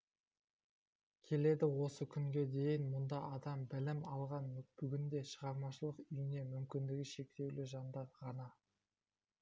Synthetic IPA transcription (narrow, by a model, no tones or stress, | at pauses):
kʲʰe̞le̞d̪ɪwo̞səkʲʰʏŋɡʲe̞d̪e̞jɪnmʊnd̪ɑʔɑd̪ɑmbɪlɪmɑlˠʁɑnb̥ʏɡʲɪnd̪e̞ʃəʁɑɾmɑʃəlˠəqʏjɪne̞mʏmkʲɪnd̪ɪɡʲɪʃe̞k̚t̪e̞wlɪʒɑnd̪ɑɾʁɑnɑ